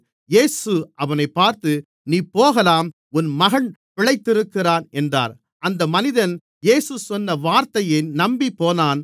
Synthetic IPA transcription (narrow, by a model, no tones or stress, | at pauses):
jeːsɯʔɐʋɐnɐɪpːaːɾt̪ɯ | niːpoːɣɐlaːm | ʊnmɐɣɐɳpɪɭɐɪt̪ːɪɾɯkːɪraːnɛndra̰ːɾ | ʔɐnd̪ɐmɐnɪðɐn | jeːsɯsɔnːɐʋaːɾt̪ɐjɐɪnɐmbipːoːnaːn